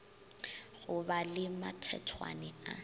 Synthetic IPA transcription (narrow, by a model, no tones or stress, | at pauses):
ɣʊbalɪmatʰɛ̰tʰwa̰nɛa̰